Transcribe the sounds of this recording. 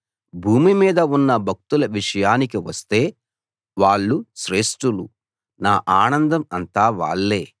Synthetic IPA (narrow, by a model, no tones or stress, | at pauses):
bʱuːmimiːd̪ɐunːɐbʱɐk̚t̪ulɐʋiʂɐjaːnikiʋɐst̪e̞ː | ʋaːɭːuʃɾe̞ːʂʈulu | naːʔaːnɐnd̪ɐmɐnt̪aːʋa̰ːɭːe̞ː